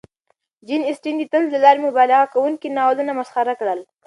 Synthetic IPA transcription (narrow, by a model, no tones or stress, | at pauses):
d͡ʒinɪsʈind̪it̪ənzd̪əlɑɾemʊbɑlɑɣakawuŋkinɑwalənamasχaɾakɽəl